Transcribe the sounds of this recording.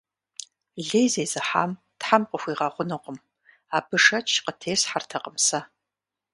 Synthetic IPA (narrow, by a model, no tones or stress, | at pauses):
ɮejzeːzɨħa̰ːm | tħamqʼəxʷiːʁɑʁʷʊnɨqʷʼʊm | aːbɨʂɐt͡ʃʰqətʰeːsħartʰɐqʼəmsɐ